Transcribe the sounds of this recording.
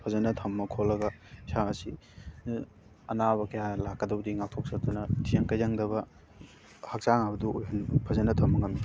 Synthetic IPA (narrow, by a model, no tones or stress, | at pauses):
pʰɐzɐnɐtʰɐmːɐkʰolːɐɡɐsaɐsi | ɐ̰naβɐkɐjalakːɐdɐbdiŋak̚tʰok̚sɐɾt̪unɐtʰijɐŋkɐjzɐŋdɐβɐ | hɐk̚saŋabɐduojɦɐnpʰɐzɐnɐtʰɐmːɐŋɐmi